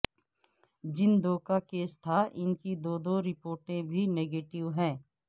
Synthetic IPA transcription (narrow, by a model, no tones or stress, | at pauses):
d͡ʒɪnd̪oːkakeːst̪ʰaʔɪnkid̪oːd̪oːɾɪpoːɾʈẽbʱineːɡeːʈɪʋɦɛ̃ː